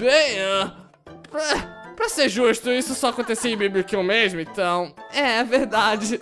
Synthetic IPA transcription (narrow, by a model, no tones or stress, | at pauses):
bẽj̃ɔ | pɾɐpɾɐseɾʒuʃt̪ʊisʊsɔakõnt̪esiɪ̃bibikĩw̃meʒmʊẽt̪ɐ̃w̃ɛɛveɾd̪ad͡ʒɪ